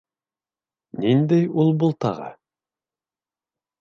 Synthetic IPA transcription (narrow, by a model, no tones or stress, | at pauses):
nind̪æjulˠbulˠt̪ɑ̰ʁɑ̰